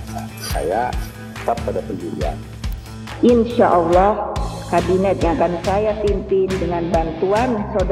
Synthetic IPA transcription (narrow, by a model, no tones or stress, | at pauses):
a | sa̰ja | ə̥t̪apːadapənd͡ʒulḭa̰n | ʔinʃaʔɔlːɔhkabinɛt̪̚ɲakansajapinp̪ɪndəŋanbant̪uansod